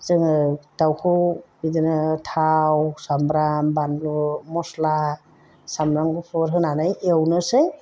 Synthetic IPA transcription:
zɯŋɯd̥awkʰɯwbidinɯtʰawsambɾambanlumɔsla | samɾaŋɡɯpʰɔɾɦɯnanajewnɯsɯj

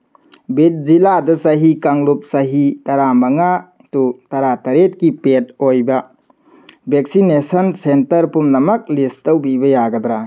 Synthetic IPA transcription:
bit̚ziladɐsaɦikaŋlup̚sɐɦitɐɾamɐŋa | tutɐɾatɐɾet̚kipet̚ojbɐ | bʱek̚sinesɐnsentɐɾpumnɐmɐk̚listɐwbibɐjaɡɐdɾa

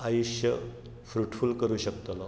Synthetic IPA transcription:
ajuɕə | fɾuʈfulkəɾuːɕək̚t̪ona

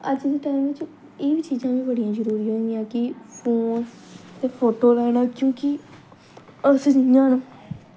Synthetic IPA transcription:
əd͡ʒd̪eːʈaːɪmʋɪt͡ʃ | eːʋiːt͡ʃiːzãːʋĩːbəɽijãːzəɾuːɾiːɦõːijãːkɪpʰoːns | t̪eːpʰoːʈoːlɛːɽaːkjõːkɪ | əsd͡ʒɪjãːnũ

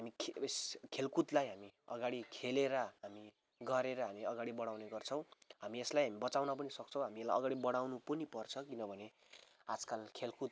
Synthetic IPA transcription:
ɦamikʰeskʰelkut̪lajɦamiʌ̰ɡaɽikʰeleɾʌɦami | ɡʌɾeɾʌɦamiʌɡaɽibʌɽawneɡʌrt͡sʰʌw̃ɦamieslajɦamibʌt͡sawnʌpʌnisʌk̚t͡sʰʌ̃w̃ɦamielajʌɡaɽibʌɽawnupʌnipʌrt͡sʰʌkinʌbʱʌne | ad͡zkalkʰelkut̪̚

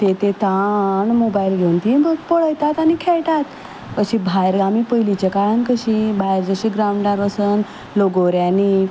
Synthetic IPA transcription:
t̪et̪et̪aɳmobajilɡʱewnt̪ibəɡpəɽəjt̪at̪anikʰeɭʈ̪at̪ | kəɕĩbʱajɾamiːpəjlit͡ɕakaɾənkəɕibʱajɾd͡zəɕiɡɾawuɳɖaɾəsən | loɡoɾjaniː

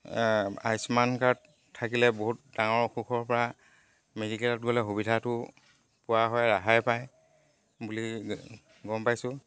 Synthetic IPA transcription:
ajsmankaɹt | tʰːakilɛboɦut̚daŋɔɹxuxʰɔɹpɔɹa | medikɛlɔtɡɔlɛɦubidʱatʊ | pʊwaɦɔjɹaɦajpaj | buli | ɡɔmpajsʊ̃

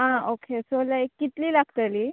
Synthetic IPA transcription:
ɦãokʰesolajkːit̪liːlaɡt̪aliː

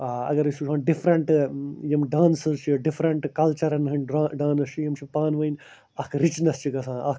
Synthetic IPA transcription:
aːɐ̰ɡɐɾisusãːɖifɾɐɳʈjɐmɖãːnsɐzt͡ʃʰiɖifʰɾɐɳʈkɐlt͡ʃɐɾɐnɦɐnaːɖãːnɐst͡ʃʰijɐmt͡ʃʰipaːnʋɐin | ɐkɾit͡ʃnɐst͡ʃʰikɐsãːɐ

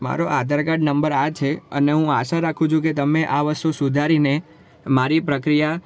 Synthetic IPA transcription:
ma̰ɾoʔad̪ʱəɾkaɖnəmbəɾat͡ʃʰeə̰neɦũaʃaɾakʰũt͡ʃʰũket̪əmeʔaʋəɾsosʊd̪ʱaɾine | maɾipɾəkɾija

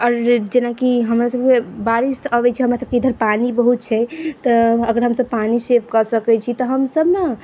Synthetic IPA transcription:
ɔɾd͡ʒenakiɦəmɾasəb̚kebaɾisəbɛt͡ʃʰiɦəmɾasəb̚keid̪ʱəɾpanibəɦut̪̚t͡ʃʰɛt̪ɔəɡəɾɦəmsəb̚panisepkəsəkɛt͡ʃʰit̪ɔɦəmsəbna

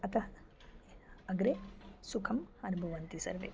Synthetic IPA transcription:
ɐt̪ʰɐ | ɐɡɾesukʰɐmɐnubʱɐʋɐnt̪isɐ̰ɾʋḛ

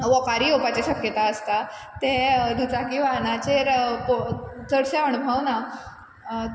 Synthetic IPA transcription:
ʋɔkaɾiopat͡ɕeɕəkjət̪aəst̪a | t̪ẽd̪ut͡sakĩʋanat͡ɕeɾpt͡s̪əɽɕəənubʱəʋna

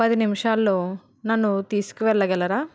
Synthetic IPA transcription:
pɐd̪inimiʂaːlːoː | nɐnːut̪iːsu̥kuʋɛɭːɐɡɛlːɐɾaː

